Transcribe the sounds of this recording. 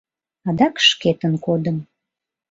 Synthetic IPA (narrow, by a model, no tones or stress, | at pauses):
ɑd̪ɑkʃket̪ənkod̪əm